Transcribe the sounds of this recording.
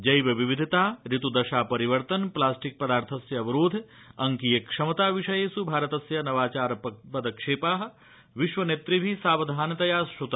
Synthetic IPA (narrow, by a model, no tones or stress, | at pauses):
d͡ʒɐjʋɐʋiʋid̪ʱit̪aːɾit̪ud̪ɐʃaːpɐɾiʋɐɾt̪ɐnplaːsʈik̚pɐd̪aːɾt̪ʰɐsjɐːʋɐɾoːd̪ʱ | ɐŋkijekʂɐmɐt̪aːʋiʃɐjeːsubʱaːɾɐt̪ɐsjɐnɐʋaːt͡ʃaːɾɐpɐpɐd̪ɐkʂeːpaːɦɐ̆ | ʋiʃʋɐneːt̪ɾibʱisaːʋɐd̪ʱaːnɐt̪ɐjaːsʃut̪